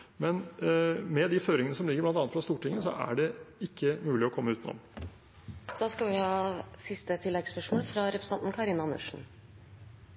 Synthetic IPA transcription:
mɛn | mɛd̪ɪføːɾɪŋənəsɔmlɪɡːəblɑnɑnət̪fɾɑst̪uːʈɪŋːəsɔ̰ʔæ̰ɖɛɪkʰːəmʉːlɪɔkʰɔmːəʉːt̪nɔ̰m | d̪̥ɑːskɑʋɪhɑːsɪst̪ət̪ʰɪlːɛɡspœʂmoːlfɾɑɾɛpɾəsn̩t̪ɑnt̪nkʰɑɾɪnɑnʉ̰ʂn̩

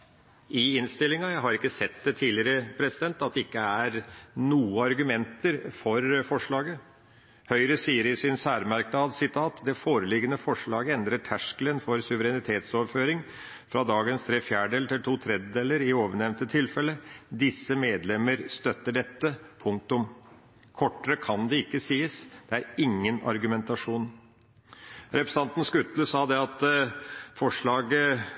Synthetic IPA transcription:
ʔɪɪnst̪ɪlɪŋɑjæɦɑɾɪkːəsɛt̪d̪ɛt̪ʰiːlɪəɾəpʰɾɛsɪd̪ɛnt̪ɑt̪̚d̪ɛɪkːəæɾnuːəɑɾɡʉmɛnt̪əɾfɔɾfɔʂɭɑːɡə | hœʏɾəsiːəɾɪsɪnsæːɾmæɾkd̪ɑːd̪sɪt̪ʰɑːt̪d̪ɛfoːɾəlɪɡːənəfɔʂɭɑːɡəɛnd̪ɾəʈʰæʂklənfɔɾsʉʋəɾɛnɪt̪ʰeːt̪sɔʋføːɾɪŋ | fɾɑd̪ɑːɡənst̪ʰɾeːfjæːɖɖeːlt̪ʰɪlt̪ʰuːt̪ʰɾɛd̪d̪eːləɾɪoːʋəɳɛʋnt̪ət̪ʰɪlfɛləd̪ɪsːəmeːd̪lɛməɾst̪œt̪ːəɖɛt̪ːəpʰʊŋk̚t̪ʊm | kʰɔʈːəɾəkʰɑnd̪ɛɪkːəsiːəsd̪̥ɛæɾɪŋːənɑ̰ɾɡʉmɛnt̪ɑʂuːn | ɾɛpɾəsɑnt̪n̩skʉt̪ləsɑːd̪ɛɑt̪ | fɔʂɭɑːɡə

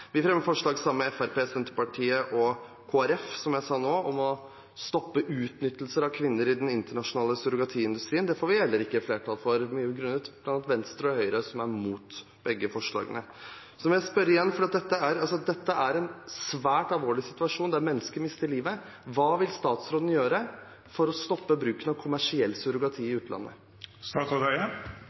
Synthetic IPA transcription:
ʋɪfɾɛmːəfɔʂɭɑːɡsɑmməɛfæɾpeːsɛnt̪əɾpɑʈʰiːəʔɔ | kʰoːæɾɛfsɔmjæɪsɑːnoːɔmɔ | st̪ɔpːəʔʉːt̪nʏt̪ːəlsəɾɑʋkʰʋɪnːəɾɪd̪ɛnɪnt̪əɳɑʂʊnɑːləsʉɾʊɡɑt̪ʰiːɪnd̪ʉst̪ɾiːnd̪ɛfoːɾʋɪhɛlːəɾɪkːəfleːʈʰɑːlfɔɾmyːəbəɡɾʉnːət̪blɑnɑt̪ʋɛnst̪ɾəɾhœʏɾəsɔmæɾmuːt̪ | b̥ɛɡːəfɔʂɭɑ̰ːɡənə | sɔmjæɪspœɾɪjɛnːfɔɖiːɑt̪d̪ɛt̪ːəæɾɑlsɔɑd̪ɛt̪ːəʔæɾɛnsʋæːʈɑlʋoːɭɪsɪt̪ʉɑʂuːnd̪æɾmɛnːəskəɾmɪst̪əɾliːʋə | ʋɑːʋɪlst̪ɑːt̪sɾoːd̪n̩jøːɾə | fɔɾɔst̪ɔpːəbɾʉːkənɑʋkʰʊmæʂɪɛlːsœɾʊɡɑt̪ʰiːɪʉːt̪lɑ̰nːə̰ | st̪ɑt̪ɔd̪æə

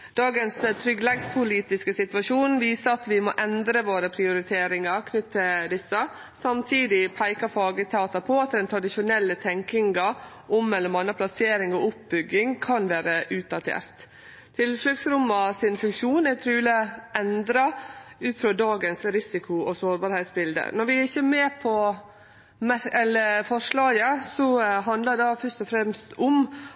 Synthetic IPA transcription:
d̪̥ɑːɡənst̪ʰɾʏɡlɛɡspʰʊliːt̪ɪskəsɪt̪ʋɑʂuːnʋiːsəɾɑt̪ʋɪmoːʔɛnd̪ɾəʋoːɾəpʰɾɪʊɾɪt̪ʰeːɾɪŋɑɾkʰnʏt̪ʰːəd̪ɪsːə | sɑmt̪ʰiːd̪ɪpʰæɪkɑfɑːɡət̪ʰɑːt̪ɑpʰɔɑt̪̚d̪ɛnt̪ʰɾɑd̪ɪʃʊnɛlːət̪ʰɛŋkɪŋɡɑ | ʔɔmːɛlːəmɑnːəpʰlɑseːɾɪŋɔʊp̚bʏɡːɪŋkʰɑnʋæːɾəʔʉːt̪̚d̪ɑt̪ʰḛːɾt̪ʰː | ɪlfœksɾʊmːɑsɪnfʉŋkʂuːnɛt̪ʰɾʉːləʔɛnd̪ɾɑʉːt̪fɾod̪ɑːɡənsɾɪsɪkʰʊɔsoːɾbɑːɾhɛɪt̪sbɪld̪ə̰nɔɾʋɪæɾɪçːəmeːpʰɔ | mæɛlːəfɔʂɭɑːjəsɔɦɑnd̪ləd̪ɑfœʂtɔfɾɛmst̪ʰʊm

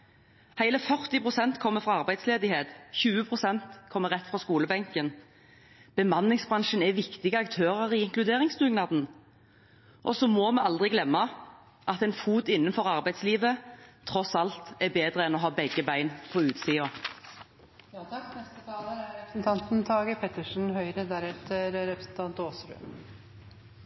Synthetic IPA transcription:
hæɪləfœʁt̪ɪpʰʁʊsɛnt̪kʰɔmːəfɾɑɑʁbæɪd̪sleːd̪ɪheːt̪çʉːəpʰʁʊsɛnt̪kʰɔmːəʁɛt̪ːfʁɑskuːləbɛŋkən | b̥əmɑnːɪŋsbʁɑnʃənɛʋɪkt̪ɪɡəɑkt̪ʰøːʁəʁɪɪŋklʉd̪eːʁɪŋsd̪ʉɡnɑd̪n̩ | ʔɔsɔmɔmɛɑld̪ʁɪɡlɛmːɑ | ʔɑt̪ɛnfuːt̪ɪnːənfɔʁɑʁbæɪd̪sliːʋət̪ʰʁɔsɑlt̪ɛbeːd̪ʁəɛnɔɦɑːbɛɡəbæɪnpʰɔʉːt̪siːɑ | nɛst̪ət̪ʰɑːləæɛpɾsn̩t̪ʰɑnt̪n̩t̪ʰɑːɡəpʰɛt̪əʂn̩hœʏɾəd̪æɾɛft̪ʰəɾɾɛpɾəsn̩t̪ʰɑnt̪oːsɾʉ̰m

